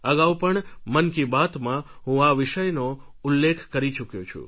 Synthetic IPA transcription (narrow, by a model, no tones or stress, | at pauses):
əɡawpəɳmənkibat̪mãɦũaʋɪʃəjnoʊlːekʰkəɾit͡ʃukjot͡ʃʰṵ